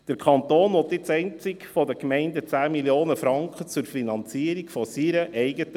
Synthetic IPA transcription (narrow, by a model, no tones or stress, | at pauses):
d̥əɾkʰɑnt̪oːnɔt̪ːɪt͡sɛɪnt͡sɪkfɔdəkmɛɪndət͡sæːmiljoːnəfɾɑŋkχət͡sʊɾfinɑnt͡siəɾikfɔsiɾəʔɛɪɡət